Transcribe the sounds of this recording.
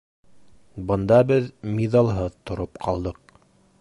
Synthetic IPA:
bɤ̆nd̪ɑbɘðmiðɑlˠɦɤðt̪ŏɾop̚qʰɑlˠd̪ɤq̚

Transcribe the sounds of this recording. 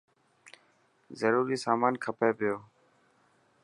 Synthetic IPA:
zəɾuːɾiːsaːmaːnkʰəpeːpɪjoː

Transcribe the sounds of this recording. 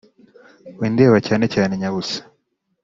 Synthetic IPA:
wiːndeːβacaːnecaːne̞ɲaβusḁ

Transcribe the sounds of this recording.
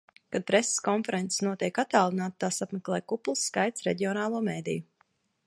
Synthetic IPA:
kad̪̚pɾɛse̥skɔnfɛɾɛnt̪sʲsnuɔt̪iɛkat̪aːlˠinaːt̪t̪aːsapmɛklˠɛːjkuplˠsːkajt̪sɾḛɟʲiɔnaːlˠuɔmeːd̪ḭju

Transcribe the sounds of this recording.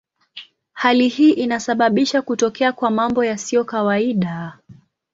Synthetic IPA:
halihiːʔinasaɓaɓiʃakutɔkɛakwamambɔjasiɔkawaiɗa

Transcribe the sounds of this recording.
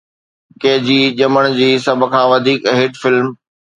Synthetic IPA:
keɦd͡ʑiːʄɐməɽ̃d͡ʑiːsɐbʱʊ̆kʰãːʋɐd̪ʱiːkɦɪʈfɪlm

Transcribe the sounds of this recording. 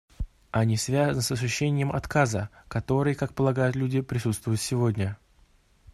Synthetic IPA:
ɐnʲisvʲazənəsɐsʊɕːenʲɪjəmɐ̰t̪kazəkɐt̪o̞ɾɨjkak̚pəlˠɐɡajʊt̪lʲudʲɪpɾʲɪsut̪st̪vʊjʊt̪sʲɪvo̞dʲnʲə

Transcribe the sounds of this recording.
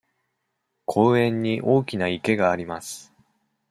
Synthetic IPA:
kʰo̞ːẽ̞ɲ̟ːiʔo̞ːkʲinaike̞ɡaːɾʲimasɨ̥

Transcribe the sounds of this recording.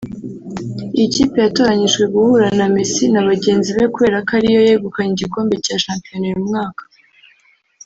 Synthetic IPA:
iciːpe̞jato̞ɾaɲiʒɡwe̞ɡuhuɾanamisinaβaɟe̞ːnziβekuβe̞ːɾakaɾijo̞jeɡukaɲiɟiko̞ːmbe̞caʃaːmpijo̞nojumŋaːkḁ

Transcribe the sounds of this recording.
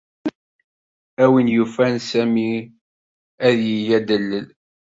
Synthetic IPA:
æwinjufænsæmi | æðjijæd̪əlːəl

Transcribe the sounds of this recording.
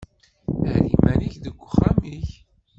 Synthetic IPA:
æɾḭmæniçðəɡʷːʊχamiç

